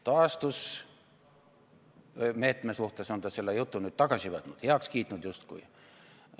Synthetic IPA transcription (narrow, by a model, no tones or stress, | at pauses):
t̪ɑːst̪us | me̞ːt̪ˑmesuht̪eso̞nt̪ɑselːejut̪ːunyːd̪̥̚t̪ɑɡ̥ɑsʲiʋɑt̪nut̪heɑkskiːt̪ˑnud̪just̪kṵj